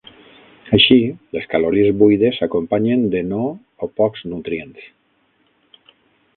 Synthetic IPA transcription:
aʃileskaloɾiezβujðesakompaɲend̪eno | opɔkznut̪ɾjent̪i̥

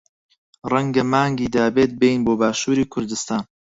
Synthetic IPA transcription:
rɛŋɡɐmaːŋɡiːd̪aːbeːt̪̚bejnboːbaːʃuːɾiːkʰʊɾd̪ɨst̪aːn

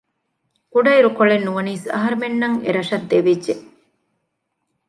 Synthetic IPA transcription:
kuɖɐiɾukoɭenːuʋɐniːsɐ̰ɦɐɾɐmenːɐŋḛɾɐʂɐd̪ːeʋidʒe

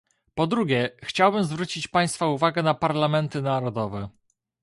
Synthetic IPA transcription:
pɔd̪ɾuɡʲɛxt͡ɕawbɘmzvɾut͡ɕit͡ɕpaj̃st̪fauvaɡɛnapaɾlamɛnt̪ɘnaɾɔd̪ɔvɛ

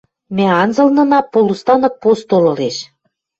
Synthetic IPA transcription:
mæɑnzɤ̆lnɤ̆nɑpːolust̪ɑnɤ̆k̚post̪olɤ̆leʃ

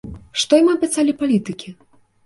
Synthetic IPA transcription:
ʂt̪ɔjmɨɐpʲɛt̪salʲipalʲit̪ɨkʲi

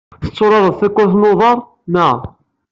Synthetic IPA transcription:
θə̥t͡sːoɾˤɑɾˤəðˤθækʷːʊθnoðˤɑɾˤ | næ

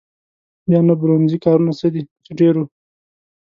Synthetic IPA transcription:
bjɑnabɾonzikɑɾunasəd̪it͡sɪɖeɾu

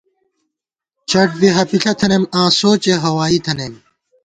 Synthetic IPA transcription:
t͡ɕʰɐʈ̚biɦɐpiɬʰɐt̪ʰɐnemãːsoːt͡ɕeɦɐwaːit̪ʰɐnem

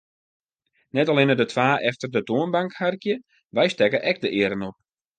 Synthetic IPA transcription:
nɛtalɪnədətʰʋaːʔɛftərdətoənbaŋkharkjə | ʋɛjstɛkəʔɛk̚dəʔɪəɾənɔp̚

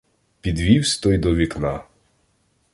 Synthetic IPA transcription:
pʲid̪ʋʲiwsʲt̪ɔjd̪ɔʋʲiknɑ

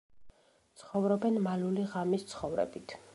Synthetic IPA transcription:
t̪sʰχɔvɾɔbɛnmaluliʁamist̪sʰχɔvɾɛ̰bit̪ʰ

